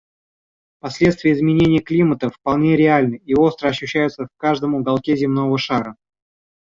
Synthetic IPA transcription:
pɐsʲlʲet̪st̪vʲɪjəɪzmʲɪnʲenʲɪjəklʲimət̪əfpɐlˠnʲe̞ɾʲɪalʲnəio̞st̪ɾəɐɕːʉɕːæjʊt̪səfkaʐd̪əmʊɡalˠkʲezʲɪmno̞vəʂaɾə

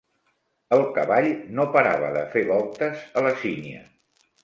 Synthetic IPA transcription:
əlˠkəβaʎnopəɾa̰βə̰ðəfeβɔlˠt̪əzələsiniə̰

